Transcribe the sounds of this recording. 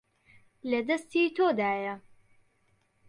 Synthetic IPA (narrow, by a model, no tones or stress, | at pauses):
lɐd̪ɐst̪iːt̪ʰoːd̪aːjɐ